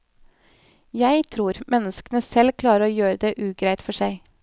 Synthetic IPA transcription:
jæɪt̪ʰɾuːɾmɛnəskənəsɛlkʰlɑːɾəɾoːjøːɾəd̪eːʔʉːɡɾæɪt̪fɔʂæɪ

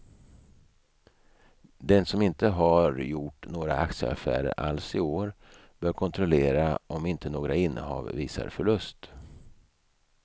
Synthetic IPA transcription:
d̪ɛnsɔmɪnt̪əɦaɾjʊʈːnoːɡɾa̰aksəa̰fæ̰ːɾə̰ɾʔa̰lsɪoːɾ | b̥œːɾkʰɔnt̪ʰɾɔleːɾaʔɔmɪnt̪ʰənoːɡɾaɪnːəɦɑ̰ːvviːsa̰ɾfœɭɵst̪

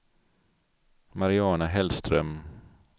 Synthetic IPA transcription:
maɾɪɑːnaɦɛlst̪ɾœm

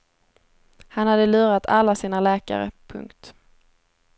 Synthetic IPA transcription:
hanhad̪ːəlʉ̟ːɾat̪ʰalːasiːnalɛːka̰ɾə̰pʰɵ̰ŋkt̪

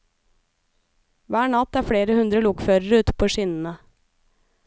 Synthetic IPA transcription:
ʋæːɳɑt̪æːɾfɽeːɾəhʉnd̪ɾəlʊkføːɾəɾʉːt̪pʰoːʃɪnn̩ə

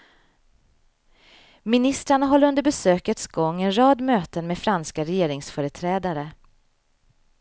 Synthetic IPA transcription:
mɪnɪst̪ɾaɳaɦɔlːɵnd̪əɾbɛsøːkət̪sɡɔŋːɛnɾɑːd̪møːt̪ənmeːd̪fɾanskaɾɛjeːɾɪŋsfœːɾət̪ʰɾɛːd̪aɾə

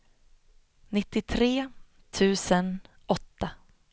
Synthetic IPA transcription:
nɪt̪ːɪt̪ʰɾeː | t̪ʰʉ̟ːsən | ɔt̪ːa

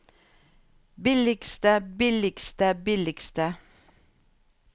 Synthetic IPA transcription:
bɪlɪkst̪əbɪlɪɡst̪əbɪlɪɡst̪ə

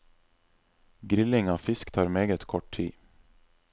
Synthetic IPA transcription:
ɡɾɪlːɪŋavfɪskt̪ʰɑːɾmeːɡət̪kʰɔʈʰḭː

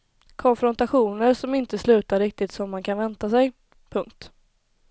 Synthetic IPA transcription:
kʰɔnfɾɔnt̪aɧuːnəɾʂɔmɪnt̪əslʉ̟ːt̪aɾɪk̚t̪ɪt̪sɔmːankʰanvɛnt̪asɛj | pʰɵŋkt̪

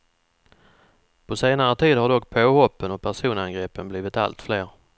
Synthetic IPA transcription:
pʰɔseːnaɾət̪ʰiːd̪haɖɔkːpʰoːhɔpːənɔpʰæʂuːnanɡɾɛːpənbliːvɪt̪a̰lt̪fleːɾ

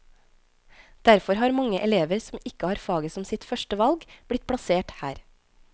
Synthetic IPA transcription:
d̪̥æɾfɔɾhɑːɾmɑŋəʔɛleːʋəɾsm̩ɪkəhɑːɾfɑːɡəsɔmsɪt̪fœʃʈəʋɑlɡb̥ɽɪt̪̚pʰɽɑseːʈhæ̰ːɾ

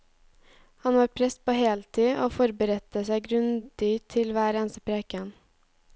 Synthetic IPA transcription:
hɑnʋɑːɾpʰɾɛst̪̚pʰoːheːlt̪ʰiːʔoːfɔɾbəɾɛt̪əsæɪɡɾʉnd̪ɪt̪ʰɪlʋæːɾeːnsəpʰɾeːkən

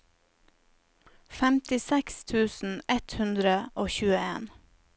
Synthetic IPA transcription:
fɛmt̪ɪsɛkst̪ʰʉːsn̩ɛt̪hʉnd̪ɾəʔoːçʉːəeːn

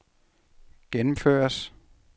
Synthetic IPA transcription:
ɡ̥enm̩fø̰ːɐs

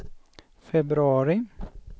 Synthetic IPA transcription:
fɛbɾʉɑːɾɪ

